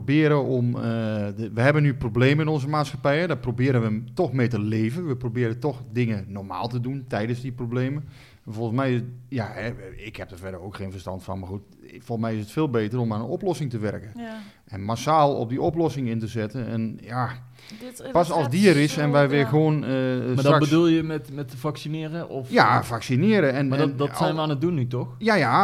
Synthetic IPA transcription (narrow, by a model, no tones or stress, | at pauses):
bɪːəɾəɔm | ʋəɦɛbənːyprobleːməɪnɔnzəmaːtsxapɛjədaprobɪːɾənʋətɔxmejtəleːvənʋəprobɪːɾətɔxdɪŋənɔrma̰ːlˠtəduntɛjdəszdiprobleːmə | volˠəsmɛjjahɛɪkhɛp̚dəfɛdəroːkxeːnfərstɑ̰ntfɑ̰nmaːrxut | folˠsmɛjɪsətfeːlˠbeːtərɔmaːnənɔplɔsɪŋtəʋɛrkən | ʔɛnmasaːlˠɔ̰p̚b̚diɔplɔsɪŋɪntəzɛtənɛ̰nja | pɑsɑlˠsdiəɾɪsɛnʋɛjʋɪxʋoːnəmadrbədulˠjəmɛtmɛtəfaksinɪːɾəɔfjafaksinɪːɾəɛnadɔsɛjnʋəaːnədunːytɔxjaja